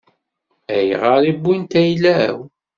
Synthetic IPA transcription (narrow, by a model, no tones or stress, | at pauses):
æj̰ʁaɾˤibːint̪æjlæw